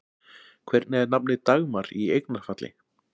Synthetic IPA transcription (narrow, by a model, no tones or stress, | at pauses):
kʰvɛɾt̪nɛðnapnɪt̪aɣmaɾiejknaɾ̥fat̪lɪ̰